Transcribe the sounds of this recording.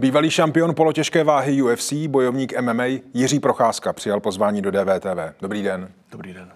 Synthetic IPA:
biːvaliːʃampɪo̞npo̞lo̞cɛʃkɛːvaːɦɪjuɛfsiːbo̞jovɲiːkʔɛmɛmɛjjɪriːpɾo̞xaːskapr̥ɪjalpo̞zvaːɲiːdo̞dɛːvɛːt̪ɛːvɛːdo̞bɾiːdɛn

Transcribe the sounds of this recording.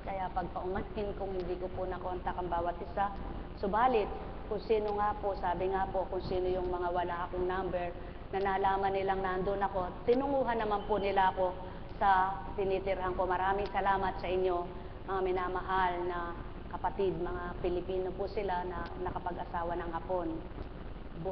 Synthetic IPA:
kɐjaʔpɐɡ̚pɐʔʊmankɪnkʊŋhɪnd̪ikopʊnɐkoɐnt̪ɐkɐŋbaːwɐt̪̚ʔɪsa | sobaːlɪt̪̚ | kʊŋsiːnoŋaːposaːbɪŋapo̞kʊŋsiːnojʊŋmɐŋawɐlaʔɐkoŋnambɛɹ | nɐnɐlaːmɐnːɪlaŋnaʔnd̪onɐko̞t̪ɪnʊŋuːɦɐnːɐmanpʊnɪlaʔɐko̞ | sɐ | t̪ɪnit̪ɪɾɦaŋko̞mɐɾaːmɪŋsɐlaːmɐt̪̚sɐʔɪɲːo̞ | mɐŋamɪnaːmɐɦalnɐ | kɐpɐt̪ɪd̪̚mɐŋapɪlɪpiːno̞pʊsɪlanɐnɐkɐpɐɡʔɐsaːwɐnɐŋhɐpo̞n

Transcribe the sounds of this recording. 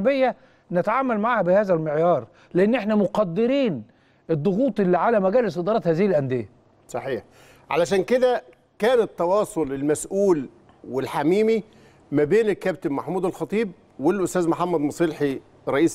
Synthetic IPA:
bejːæ | nɪt̪aʕaːmælmaʕaːhæbɪhæːzælmeʕjɑːɾˤ | lɪʔenːʔeħnæmoqɑd̪ːɪɾiːn | ed̪ˤːoɣuːt̪ˤʔelːiʕalæmæɡæːlɪsed̪ɑɾˤɑːt̪hæːzihilʔænd̪ejæ | sˤɑħiːħ | ʕa̰læʃ̬æːnked̪æ | kæːnet̪ːɑwɑːsˤolelmæsʔuːl | welħamiːmi | mæbeːnɪkːæbt̪ɪbmaħmuːd̪ælxɑt̪ˤiːb̚ | welʔʊst̪æːzmoħamːæd̪mɑsˤelħi | ɾˤːɑʔiːs

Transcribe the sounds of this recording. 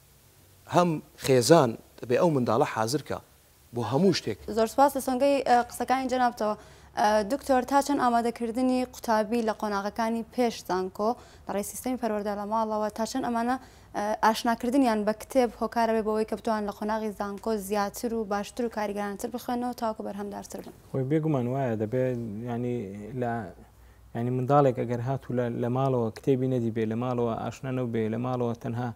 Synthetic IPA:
hɐmχeːzaːnd̪̥ɐbeːʔɐwmɨnd̪a̰ːlˠɐħa̰ːzɨɾkʰa̰ | boːɦɐmuːʃt̪ekzoɾspaːslɐsoŋɡɐjqɨ̥sɐkaːnid͡ʒɐnaːbt̪ʰɐwɐd̪ukt̪ʰoːɾt̪ʰaːt͡ʃʰɐnʔaːmaːd̪ɐkʰɨɾd̪ɨniqʰʊ̥t̪ʰaːbiːlɐqonaːɣɐkaːniːpʰeʃz̥aːŋko | lɐrˤejsi̥st̪ɐmipʰɐɾwɐɾd̪alɐmaːlˠɐwɐt̪ʰaːt͡ʃʰɐnɐmaːnɐ | ʔaːʃnaːkɨɾd̪ɨnjaːnbɐkɨ̥t̪ʰeːbhoːkaːɾɐbebowɐjkɐbɨt̪waːnnlɐqʰonaːɣizaːŋkoːzjaːt̪ʰɨɾubaːʃt̪ɨɾuːkaːɾiɡɐɾaːnit̪ʰɨɾbɨxweːnɐwɐt̪ʰaːwakubɐɾɦɐmd̪aːɾt̪ʰɨɾbɨnxojbeɡumaːnwaːjɐd̪ɐbejaʕnilɐ | jaʕnimɨnd̪aːlˠekʔɐɡɐɾɦaːt̪ʰulɐlɐmaːlˠɐwɐkɨ̥t̪ʰeːbiːnɐd̪iːbelɐmaːlˠɐwɐʔa̰ːʃnaːnɐwbelɐmaːlˠɐwɐt̪ʰɐnɦaː

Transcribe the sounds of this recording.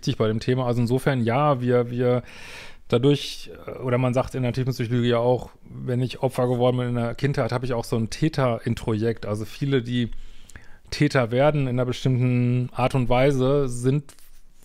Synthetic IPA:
tɪçb̥aɪɾeːmtʰeːmaalzoɪnzoːfɛɐnjaːviːɐviːɐ | d̥adʊɐç | ʔoːɾɐmanzaːχktɪndeɐtʰyːfm̩syçolyːɡəjaːaʊx | vɛnɪçʔɔpfɐɡəvɔɐdn̩bɪnɪnɐkʰɪnthaɪthaːbəɪçaʊxz̥oːntʰɛːtʰɐʔɪntʁ̥ojɛk̚tʔalzofiːlədiː | tʰɛːtɐveːɐdn̩ɪnɐbəʃtɪmtn̩ʔaːɐtʊntv̥aɪzəzɪnt

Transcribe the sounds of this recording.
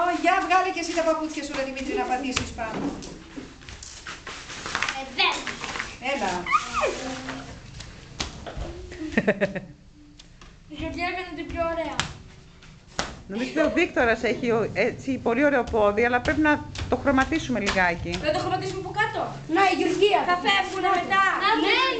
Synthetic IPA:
oʝɐvɣɐlicesit̪ɐpɐput͡sçɐsulɐt̪imit̪inɐpɐt̪isispɐnd̪o | ðe | ebɐ | iʝoɾjɐkɐned̪epçoːɾeɐ | no̞mizot̪eovik̚t̪o̞ɾɐse̞çioet͡sipo̞lio̞ɾe̞opo̞ðiɐlɐpɾepinɐt̪o̞xɾo̞mɐt̪isume̞liɣɐeciɐt̪oxɾomɐt̪isumepokɐt̪o | neiʝoɾciɐθɐfevunɐmet̪ɐne

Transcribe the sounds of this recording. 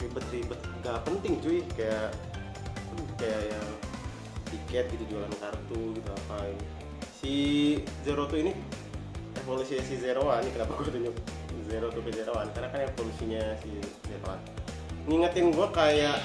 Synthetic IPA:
ribət̪ribət̪̚ɡapənt̪ɪŋt͡ʃ̪uikajaʔ | pənkajaʔjaŋ | t̪ikɛt̪̚ɡit̪ud͡ʒualankart̪uɡit̪uapai | sizeɾot̪uini | efolusiɲasizeɾoanikənapaɡuat̪uɲʊk̚ | zeɾot̪ukɛzeɾoankaɾnakanefolusiɲasi | zepla̰t̪ | ŋiŋət̪ɪnɡuakajaʔ

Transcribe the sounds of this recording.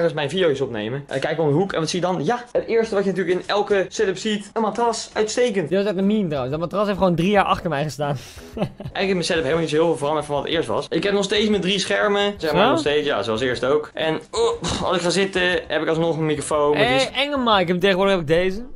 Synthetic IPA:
xəsmɛjnvidiowɪsɔpnḛjməkɛjkɪkɔmdəɦukɛ̰nʋɑtsijədɑnjaətɪːɹstəʋɑtjənat̬yːɹləkɪnɛlˠkəsɛtəpsitənmatrɑsœɥtstejkəntdɪsɛtənmintrawənsdt̚matrɑsɦejftχowndrijaːɹʔɑ̰χtəɹmɛjχəstaːn | ɛjɣələkɪsmɛnsɛtəpɦeɪlmlnitsoɪːlˠɪlvoːrɑlˠmɛfɔnʋɑtətɪ̰ːɹstʋɑ̰sɪkɦɛp̚nɔχstejtsmɛdrisχɛɹməzɛəmanɔχsstejtsja̰zoɑlˠsɪːɹstowkʔɛnoɑ̰lˠsɪkχaːzɪtəɦɛpɪkɑlˠsnɔχənmikrofownɛŋəmajkəmtejɣəʋʊːɹdəxɦɛpɪɡ̚dejzə

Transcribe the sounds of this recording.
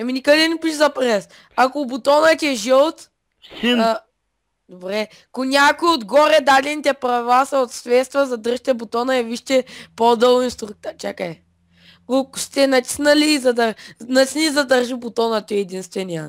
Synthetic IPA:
ɐminikəd̪ɛnɛpiʃzɐpɾɛs | akʊbʊt̪ɔnət̪ʲɛʒɛt̪ | d̪obɾɛ | konʲakʊiod̪ɡɔɾɛd̪ad̪ɛnit̪ɛpɾɐvɛlasɐot̪sɾɛt̪st̪vɐzɐd̪əɾʒit̪ɛbot̪ɔnəɛviʃt̪ɛpod̪əlˠoinst̪ɾuk̚t̪at͡ʃakəɛ | kokʊ̥st̪ɛnɐt̪ʲi̥snɐliːzɐd̪ənɐt̪ʲi̥snizɐd̪əɾʒibʊt̪ɔnət̪ɔɛɛd̪inst̪vɛnʲija

